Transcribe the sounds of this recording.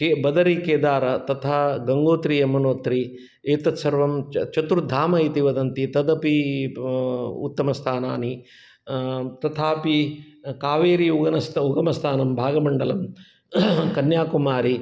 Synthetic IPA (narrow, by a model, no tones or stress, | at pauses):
kebɐd̪ɐɾikeːd̪aːɾɐt̪ɐt̪ʰaːɡɐŋɡoːt̪ɾijɐmɐnoːt̪ɾi | eːt̪ɐt̪sɐɾʋɐmt͡ʃɐt̪uɾd̪ʱaːmɐit̪iʋɐd̪ɐnt̪it̪ɐd̪ɐpi | ṵt̪ːɐmɐst̪ʰaːna̰ːni | t̪ɐt̪ʰaːpi | kaːʋeːɾiuɡɐnɐst̪uɡɐmɐst̪ʰaːnɐmbʱaːɡɐmɐɳɖɐlɐm | kɐnjaːkumaːɾi